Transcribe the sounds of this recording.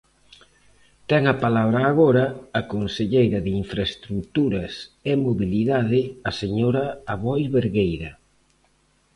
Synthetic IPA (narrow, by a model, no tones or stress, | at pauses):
t̪ɛŋɐpalaβɾaːɣɔɾɐːkonseʎejɾɐðɪiɱfɾaest̪ɾut̪uɾɐsemoβiliðaðɪaseɲoɾɐaβɔjβeɾɣejɾɐ